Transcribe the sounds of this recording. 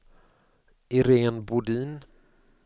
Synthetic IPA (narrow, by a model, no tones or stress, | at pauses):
ɪɾeːnbʊɖiːn